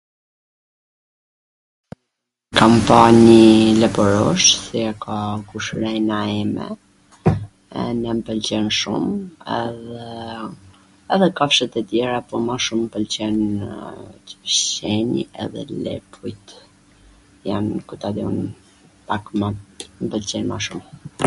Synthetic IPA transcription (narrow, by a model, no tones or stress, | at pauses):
kampaɲilɛbɔɾɔʃsiakʰakuʃɾɛnaɛmɛ̰ | ɛ̰nɛmpəlt͡ɕɛnʃṵmɛ̰ðɛ | ɛðɛkafʃɛt̪ɛt̪jɛɾapɔmaʃumpəlt͡ɕɛn | t̪ə̥vt͡ɕɛɲḭɛ̰ðɛ̰lɛ̰pʰujt̪ | ja̰nkut̪ad̪iun | pakmampəlt͡ɕɛnma̰ʃum